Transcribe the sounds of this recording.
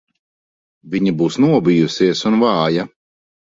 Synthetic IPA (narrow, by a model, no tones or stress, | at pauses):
viɲibuːsnuɔbijusiɛsunvɑːja